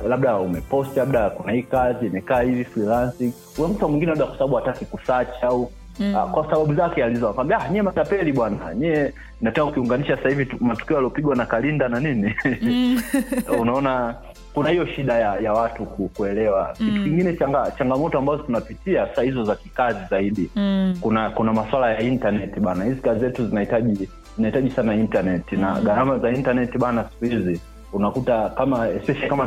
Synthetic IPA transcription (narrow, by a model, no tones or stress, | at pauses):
laɓɗaumɛpɔstlaɓ̚ɗakunahiːkaziimɛkaːhivifɾilansiŋ | unakutamwiŋɡinɛlaɓɗakwḁsaɓaɓuatakikusat͡ʃau | a̰kwasaɓaɓuzakɛalizanakwambiahɲɛɛmat͡ʃapɛliɓwana̰ɲɛɛ | inatanaukiuŋɡaniʃasahivimatu̥kiɔjaliɔpiɡwanakalindananini | unaɔna | kunahijɔʃiɗajajawatukukuɛlɛwakitukiŋɡinɛt͡ʃaŋɡat͡ʃaŋɡamɔtɔambazɔtunapitiasahizɔzakikazizaiɗikunakunamaswalajaintanɛtiɓanahizikazizɛtuzinaitaʄi | zinahitaʄisanaintanɛtina̰ɡaɾamazaintanɛtiɓanasi̥kuhizi | unakutakamaɛspɛʃalikama